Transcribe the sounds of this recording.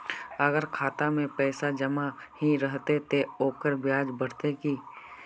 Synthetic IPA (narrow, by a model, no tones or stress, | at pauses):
əɡəɾkʰaːt̪amẽpɛːsad͡ʒəmahiɾəɦt̪et̪ʰeoːkəɾbjaːd͡ʒbəɽt̪ekiː